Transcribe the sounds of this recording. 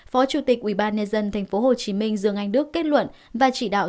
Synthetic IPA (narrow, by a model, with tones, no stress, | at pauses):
fɔ˨˦t͡ɕu˧˩t̪i˨˩k̚ʔwi˧˩ɓaː˧nɲə˧nzə˧nt̪ʰɛ˨˩ŋ̟fo˨˦ɦo˨˩t͡ɕi˨˦mï˧ŋ̟zɨ̰˨˩əŋʔa˧jŋ̟ɗɨ˦˥əkːe˦˥t̚lwə̰˧˨nvaː˨˩t͡ɕḭ˧˨ɗa̰ː˧˨w